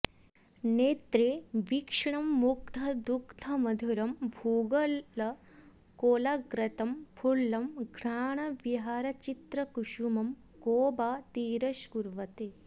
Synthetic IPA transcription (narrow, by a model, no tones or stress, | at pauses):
neːt̪ɾeːʋikʂɐɳɐmːuk̚t̪ʰɐd̪ukt̪ʰɐmɐd̪ʱuɾɐmbʱuːɡɐlɐ | koːlɐɡɾɐt̪ɐmpʰulːɐmɡʱɾaːɳɐʋiɦaːɾɐt͡ʃit̪ɾɐkuʃumɐm | koːbaːt̪iːɾɐʃkuɾʋɐt̪eː